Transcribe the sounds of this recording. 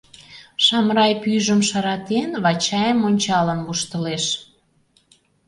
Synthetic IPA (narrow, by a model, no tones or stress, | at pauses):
ʃɑmɾɑjpyʒəmʃɑɾɑt̪enβɑt͡ɕɑjəmonʲt͡ɕɑlənβuʃt̪əleʃ